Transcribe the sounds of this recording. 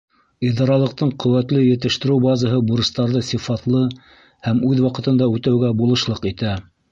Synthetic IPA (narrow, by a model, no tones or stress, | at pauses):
iðɑɾɑlˠɤ̆q̚t̪ɤɴqɵ̆wæt̪lɘjɘ̆t̪ɘ̆ʃt̪ɘ̆ɾɘwbɑzɑɦɤbuɾɤ̆st̪ɑɾðɤsʲifɑt̪lˠɤ | hæmʉðwɑqɤ̆t̪ɤ̆nd̪ɑʉt̪æwɡæbulˠɤ̆ʃlˠɤqit̪æ